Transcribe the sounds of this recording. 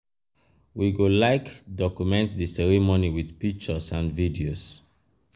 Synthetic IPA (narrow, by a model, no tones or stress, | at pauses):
wiɡolaɪkdɔkjumɛ̃ntðisɛɹimoniwiðpik̚t͡ʃəsãnvidios